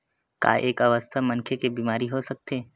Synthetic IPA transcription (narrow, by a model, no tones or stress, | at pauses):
ka̰ːʔeːkɐʋəst̪ʰamɐ̃nkʰekebiːmaːɾiɦosɐk̚t̪eː